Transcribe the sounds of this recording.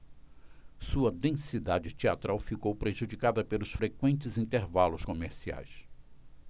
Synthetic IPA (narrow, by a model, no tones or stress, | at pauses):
suɐd̪ẽsid̪ad͡ʒɪt͡ʃ̪ia̰t̪ɾawfikowpɾeʒud͡ʒikad̪ɐpelʊsfɾekwẽnt͡ʃɪzĩnt̪eɾvalʊskomeɾsia̰js